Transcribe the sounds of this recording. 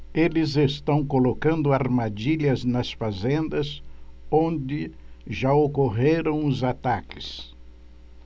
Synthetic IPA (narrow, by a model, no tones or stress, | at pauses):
elɪzest̪ɐ̃w̃kolokɐ̃nd̪ʊaɾmad͡ʒiʎɐznɐsfazẽnd̪ɐzõnd͡ʒɪʒaokoɦeɾɐ̃w̃ʊzat̪akɪ̥s